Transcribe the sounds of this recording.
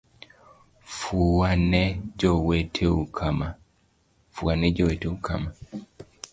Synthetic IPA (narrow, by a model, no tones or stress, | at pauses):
fuanɛd͡ʒɔwetʰeukʰama | fuwanɛd͡ʒɔwɛteukʰa̰ma